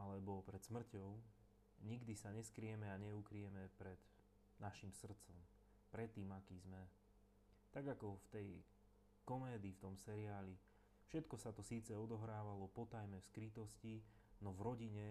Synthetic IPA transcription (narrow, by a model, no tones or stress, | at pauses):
alɛbɔpɾɛt̪smr̩cɔʊ | ɲiɡd̪isaɲɛskɾiɛmɛaɲɛukɾiɛmɛpɾɛd̪ | naʃimsr̩t̪t͡sɔm | pɾɛt̪ːiːmakiːzmɛ | t̪aɡakɔft̪ɛj | kɔmɛːd̪iːft̪ɔmsɛɾiaːli | fʃɛt̪kɔsat̪ɔsiːt͡sɛɔd̪ɔɦɾaːʋalɔpɔt̪ajmɛfskɾit̪ɔsci | nɔvɾɔɟiɲɛ